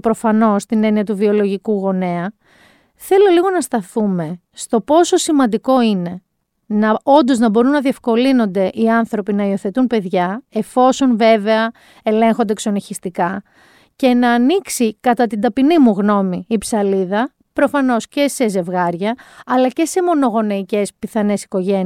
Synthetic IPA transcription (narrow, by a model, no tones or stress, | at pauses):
pɾo̞fɐno̞st̪ine̞niɐt̪uvio̞lo̞ʝikuɣo̞neɐ | θe̞lo̞liɣo̞nɐst̪ɐθume̞ | st̪o̞po̞so̞simɐnd̪iko̞ine̞ | nɐo̞nd̪o̞znɐbo̞ɾunːɐðie̞fko̞lino̞nd̪e̞ʔiɐnθɾo̞pinɐio̞θe̞t̪unpe̞ðʝɐe̞fo̞so̞nve̞veɐ | e̞le̞ŋxo̞nd̪e̞kso̞niçist̪ikɐ | ce̞nɐːniksikɐt̪ɐt̪ind̪ɐpinimuɣno̞miːpsɐliðɐ | pɾo̞fɐno̞sce̞se̞ze̞vɣɐɾʝɐɐlɐce̞se̞mo̞no̞ɣo̞neice̞spiθɐne̞si̥ko̞ʝe̞n